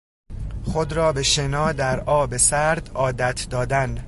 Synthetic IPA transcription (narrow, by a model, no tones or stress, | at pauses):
xod̪ɾɒːbe̞ʃe̞nɒːd̪æɾɒːbesæɾd̪ɒːd̪æt̪ʰd̪ɒːd̪æn